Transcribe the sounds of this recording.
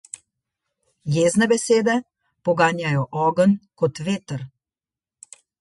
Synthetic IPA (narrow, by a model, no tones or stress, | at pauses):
jeːznɛbɛseːd̪ɛ | pɔɡaːnjajɔʔɔːɡənkɔt̪ʋeːt̪əɾ